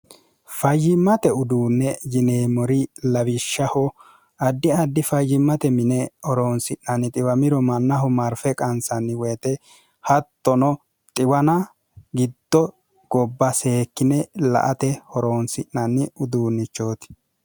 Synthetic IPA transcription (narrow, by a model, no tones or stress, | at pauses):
fɐjːɪmːɐt̪ɛʊd̪uːnːɛjɪneːmɔɾɪlɐβɪʃːɐhɔ | ɐd̪ːɪɐd̪ːɪfɐjːɪmːɐt̪ɛmɪnɛɔɾoːnsɪʔnɐnːɪt̪ʼɪwɐmɪɾɔmɐnːɐɦʊmɐɾfɛkʼɐnsɐnːɪweːt̪ɛ | hɐt̪ːɔnɔ | t̪ʼɪwɐnɐ | ɡɪd̪ːɔ | ɡ̥ɔbːɐse̞ːkːɪnɛlɐ̰ʔɐt̪ɛhɔɾoːnsɪʔːɐnːɪʊd̪uːnːɪt͡ʃːoːt̪ɪ̥